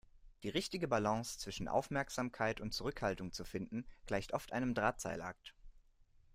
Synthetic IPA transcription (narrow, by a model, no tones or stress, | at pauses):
d̥iːʁɪçtɪɡəbalɑ̃ŋst͡sv̥ɪʃn̩ʔa̰ʊfmɛɐkz̥aːmkʰaɪtʊnt̚t͡suʁʏkhaltʊŋt͡sufɪndn̩ɡ̥laɪçtʔɔftʔa̰ɪnəmdʁaːt͡sa̰ɪlʔa̰k̚t